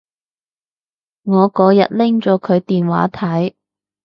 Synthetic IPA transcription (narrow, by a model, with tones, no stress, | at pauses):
ŋɔː˨˧kɔː˨˧˥jɐ̰˨t̚lɪ˥ŋt͡ʃɔː˨˥kʰɵ˨˧ɥt̪iː˨nwa̰ː˨˥t̪ʰɐ˨˥j